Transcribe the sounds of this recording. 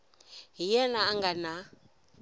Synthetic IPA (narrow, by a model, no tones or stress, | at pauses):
ɦijɛnaːŋɡana